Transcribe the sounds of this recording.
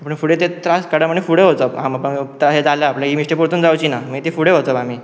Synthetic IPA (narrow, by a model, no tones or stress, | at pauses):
apəɳfuɽet̪et̪ɾaskəɽaməɳːefuɽeɦot̪əamapəɳt̪ɾased͡zalaːpljaɦimiʂʈepuɾt̪uːnd͡zawt͡ɕiːnaməɡet̪ifuɽeɦot̪əbam̤iː